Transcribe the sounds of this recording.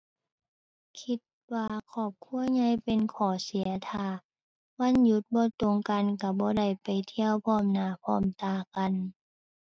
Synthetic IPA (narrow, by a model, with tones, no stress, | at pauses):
kʰi˧˦t̪̚waː˧kʰɔː˧˩p̚kʰu˧˥˨əɲa˧˥˨jpe˧˨nkʰɔː˨˩si˨˦ɐt̪ʰaː˧˩ | wa˧˥˨nju˧˦t̪̚bɔː˧˦t̪o˧˨ŋka˧˨nka˧˩bɔː˧˦da˧˩jpa˨jt̪ʰi˧əwpʰɔː˧˩mnaː˧˩pʰɔ̰ː˧˥˩mt̪aː˧˩ka˧˨n